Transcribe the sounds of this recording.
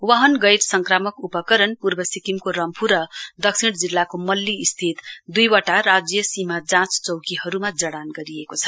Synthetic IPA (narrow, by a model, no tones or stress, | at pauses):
waɦʌnɡʌjɾsʌŋkɾamʌkupʌkʌɾənpuɾbʌsikimkoɾʌmpʰuɾʌd̪ʌksʰiɽd͡zilːakomʌlːiːst̪ʰit̪d̪ujwʌʈaɾad͡zjʌsimad͡zãt͡st͡sʌwkiɦʌɾumad͡zʌɽanɡʌɾijekot͡sʰʌ̥